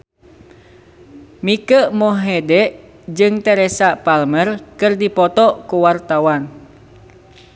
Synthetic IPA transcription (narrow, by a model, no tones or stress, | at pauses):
mikəmɔɦɛdɛʔ | d͡ʒɨŋt̪ɛɾɛsapalmərkɨrdipɔt̪ɔkuwart̪awan